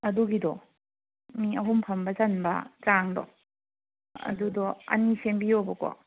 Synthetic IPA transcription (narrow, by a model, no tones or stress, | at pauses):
ɐduɡidɔ | miɐɦumpʰɐmbɐt͡ʃɐnbɐ̰t͡ʃaŋdɔ̰ | ɐ̰dudɔɐ̰nisembijobɐkɔ̰